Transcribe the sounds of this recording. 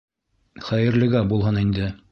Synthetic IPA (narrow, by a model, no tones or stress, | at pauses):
χæjɘ̆ɾlɘ̆ɡæbulˠɦɤnind̪ɘ